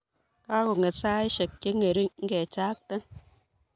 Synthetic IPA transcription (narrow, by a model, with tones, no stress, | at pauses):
ka˦ɾo˨ŋe˨saː˦e˦ʃe˨kke˦ŋe˨ɾi˦ŋ̩˦ɡe˨t͡ʃaː˦k̚te˦n